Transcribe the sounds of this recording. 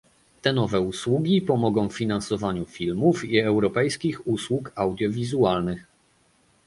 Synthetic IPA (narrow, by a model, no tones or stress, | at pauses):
t̪ɛnɔvɛuswuɡʲipɔmɔɡɔ̃w̃ffʲinansɔvaɲufʲilmufiɛwɾɔpɛjskʲixuswukawd̪ʲjɔvʲizualnɘx